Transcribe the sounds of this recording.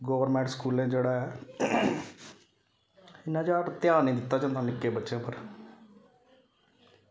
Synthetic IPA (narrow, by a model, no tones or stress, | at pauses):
ɡoːʋəɾmɛ̃ːɳʈskuːlẽːd͡ʒeːɽaːɛː | ɪnãːd͡ʒaːʈt̪ɪjaːnĩːd̪ɪt̪ːaːd͡ʒãːt̪ãːnɪkːeːbətːʃãːpəɾ